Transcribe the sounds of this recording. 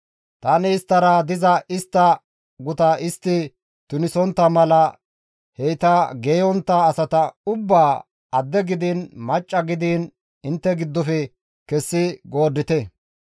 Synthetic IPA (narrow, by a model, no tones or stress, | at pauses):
t̪ɐnɪːst̪ːɐɾad̪ɪzɐʔɪst̪ːɐ | ɡʊt̪ɐʔɪst̪ːɪ | t̪ʊnɪsɔnt̪ːɐmɐlɐ | hɛjt̪ɐɡeːjɔnt̪ːɐːsɐt̪ɐʊbːaː | ɐd̪ːɛɡɪd̪inmɐt͡ʃʼːɐɡɪd̪iːn | ɪnt̪ːɛɡɪd̪ːɔfɛ | kɛsːɪɡo̞ːd̪ːɪt̪ɛ